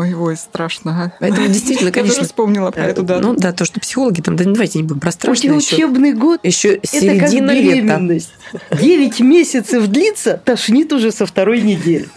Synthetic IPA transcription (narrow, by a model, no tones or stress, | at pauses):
ojvost̪ɾaʂnəpɐɛt̪əmʊdʲɪjst̪vʲitʲɪlnəkɐneʂnspomnʲɪlˠəpɐɛt̪ʊd̪anud̪at̪oʂt̪opsʲɪxo̞lˠəɡʲɪt̪amd̪ɐd̪ɐvajtʲɪnʲɪbudʲɪmpɾɐst̪ɾaʊʂtʲɪxʊt͡ɕoebnɨjɡo̞t̪jɪɕːosʲɛɪɾt̪əɪkakdʲinːəvʲeemʲɪnːəsʲtʲdʲevʲɪtʲmʲesʲɪt̪səvd̪lʲit̪sət̪ɐʂnʲit̪ʊʐɛsəft̪ɐɾo̞jnʲɪdʲelʲɪ